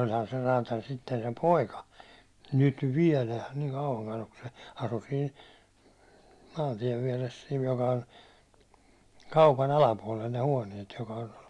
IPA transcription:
olʲhɑn se rɑːtɑlʲ sitːen sem poikɑ nyt ʋiɛlæ niːŋ kɑuʋɑŋkɑn ok kun se ɑsu siːn̞ mɑːntiɛʋ ʋiɛres siːn jokɑ on kɑupɑn ɑlɑpuɒlel ne huɒniet jokɑ on

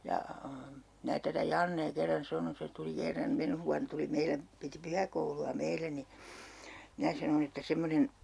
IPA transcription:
jɑ mæː tætæ jɑnːeː kerːɑn sɑnon se tuli kerːɑm menh ʋuɑn tuli meile piti pyhækouluɑ meilːæ ni minæ sɑnon etːæ semːonen

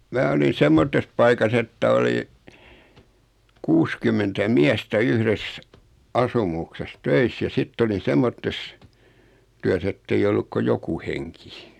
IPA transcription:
mæː olin̞ semːotːes pɑikɑs etːæ oli kuskymːentæ miæstæ yhres ɑsumukses tøis jɑ sitː olin̞ semːotːes tyæs etːei olːuk ko joku heŋki

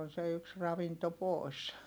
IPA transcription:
on se yks rɑʋinto poˑi̯s

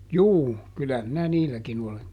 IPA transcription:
juː kylæ minæ niːlːækin ole

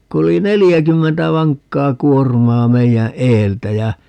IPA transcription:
ku oli nelijækymːentæ ʋɑŋkːɑː kuormɑː meijæ eːltæ jæ

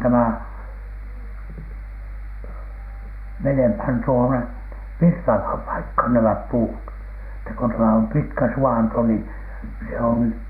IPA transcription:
tæmæ menemhæn tuone ʋirtɑʋhɑm pɑikhɑn næmæp puːt etːæ k on tæmæ om pitkæ suɑnto ni se on

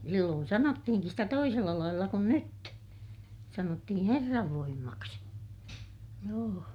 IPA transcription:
silːoːn sɑnotːihiŋkis sitæ toiselːɑ lɑilːɑ kun nyt sɑnotːihĩː herːɑʋ ʋoimːɑksi joː

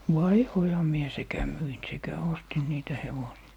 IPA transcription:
ʋɑihoihɑ mie sekæ myin sekæ ostin niːtæ heʋosiɑ

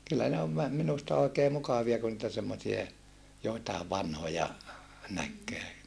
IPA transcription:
kylːæ ne oʋ ʋæ minustɑ oikeː mukɑʋiɑ ku niːtæ semːosie joitɑeʋ ʋɑnhojɑ nækːeː

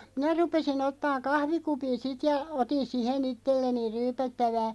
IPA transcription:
minæ rupesin otːɑːŋ kɑhʋikupin sit jɑ otin sihen itːelːeni ryːpætːæʋæː

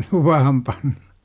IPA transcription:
luʋɑhɑm pɑnn̥ɑ̥

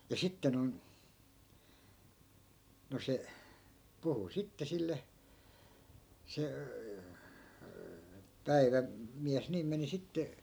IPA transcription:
jɑ sitːe noi̯n no se puhu sitːe silːe se pæiʋæ miæs niːm meni sitːe

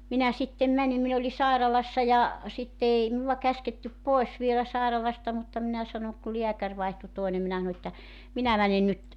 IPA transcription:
minæ sitːem mænim min oli sɑˑirɑlɑsːɑ jɑ sitːe ei minuwɑ kæsketːyp poes ʋielæ sɑˑerɑlɑstɑ mutːɑ minæ sɑnoŋ ku liækær ʋɑihtu toinem minæ s̆ɑ̆no etːæ minæ mæne nyt

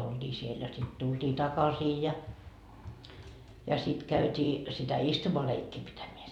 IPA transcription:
old̥iː siel jɑ sit tuld̥iː tɑkɑsiː jɑ jɑ sit kæytʲiː sitæ istumɑleikːiː pitæmeæ

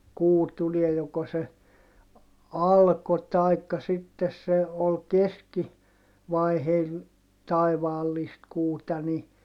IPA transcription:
kuː tuliɛ joko se ɑlko tɑikːɑ sitːes se ol keski ʋɑiheil tɑiʋɑːlːist kuːtɑ ni

